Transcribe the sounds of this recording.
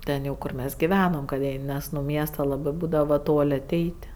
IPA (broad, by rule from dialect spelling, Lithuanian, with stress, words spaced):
ˈtʲɛn jɛʊ ˈkʊr mʲɛs ɡʲɪˈʋʲæːnoːm kɐt ˈjɛɪ ˈnʲɛs nʊ ˈmʲiɛstɐ ˈlˠɑːbɜ ˈbuːdɐʋoː ˈtoːlʲ ɐˈtʲɛɪtʲ